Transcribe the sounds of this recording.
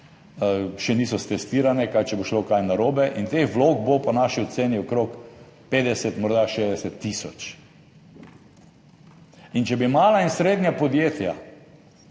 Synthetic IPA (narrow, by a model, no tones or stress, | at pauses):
ʃɛniːsɔst̪ɛst̪iːɾanɛkajt͡ʃɛboʃlokajnaɾoːbɛʔint̪exʋloːɡbopɔnaʃiɔt̪seːniɔkɾok | peːd̪ɛsɛt̪mɔɾd̪aʃeːzd̪ɛsɛt̪ːisɔt͡ʃ | int͡ʃɛbimaːlainsɾeːd̪njapɔd̪jeːt̪ja̰